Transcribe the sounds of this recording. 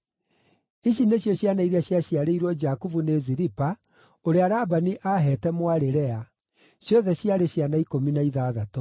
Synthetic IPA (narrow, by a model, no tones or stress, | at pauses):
iɕineɕjɔɕjanaiɾeaɕjaɕjaɾeiɾwɔd͡ʒakuvuneziɾipa | oɾeaɾabaniʔaɦɛtɛmwaɾeɾɛa | ɕjɔðɛɕjaɾeɕjanaikominaiðaːðato